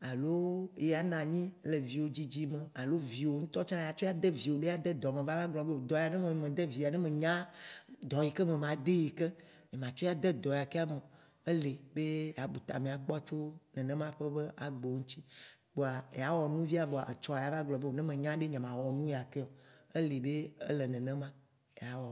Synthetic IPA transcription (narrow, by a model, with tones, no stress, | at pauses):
a˨lo˦je˦a˨nã˨ɲĩ˦le˨vi˨wo˨d͡ʑi˦d͡ʑi˦mẽ˨a˨lo˦vi˨wo˨ŋũ˦t̪ɔ˦t͡ʃã˦ja˨t͡ʃo˦ja˦d̪ɛ˦vi˨wo˨ɖe˦a˦d̪ɛ˦d̪ɔ˨mẽ˨va˦va˦ɡlɔ˨be˦wo˨d̪ɔ˨ja˨nɛ̃˦mẽ˨m˨mẽ˨d̪ɛ˦vi˨a˨nɛ̃˦mẽ˨ɲã˦d̪ɔ˨ji˨kɛ˦mẽ˨mã˨d̪e˦ji˨ke˦ | ɲẽ˨mã˨t͡ʃo˦a˨d̪ɛ˦d̪ɔ˨ja˨kɛ˦a˦mɔ̃˨ | e˦le˨be˦ja˨bu˨t̪a̰˨mẽ˨a˨k͡pɔ˦t͡ʃo˦nɛ̃˨ñ˦mã˦ɸe˦be˦ʔa˨ɡ͡bo˨ŋũ˦t̪i˦ | ɡ͡bo˨a˨ja˨wɔ˨nũ˦vi˦a˨bo˨a˨ʔe˨t͡ʃɔ˦a˨ja˨va˦ɡ͡blɔ˨be˦wo˨nɛ̃˦mẽ˨ɲã˦ɖe˦ɲɛ̃˨mã˨wɔ˨nũ˦ja˨ke˦o˨e˦le˨be˦ḛ˦lɛ˨nɛ̃˨nɛ̃˦mã˦ | ja˨wɔ˨